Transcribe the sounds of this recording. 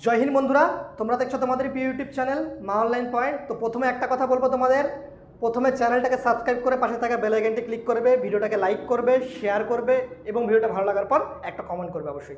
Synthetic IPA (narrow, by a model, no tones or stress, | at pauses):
d͡ʑojɦinmond̪ʱuɾat̪omɾad̪ek̚t͡ɕʰot̪omad̪eɾpijuʈjub̚t͡ɕɛnelmaonlajnpɔjɳʈt̪opɾot̪ʰomeɛk̚ʈakɔt̪ʰabolbot̪omad̪eɾ | pɾot̪ʰomet͡ɕɛnelʈakesabskɾajb̚koɾepaʃet̪ʰakebelaɡeɳʈiklikːoɾbebʱiɖioʈakelajkːoɾbeʃeaɾkoɾbeeboŋbʱiɖioʈabʱalolaɡaɾpɔɾɛk̚ʈakɔmeɳʈ̚koɾbeɔ̰boʃːoj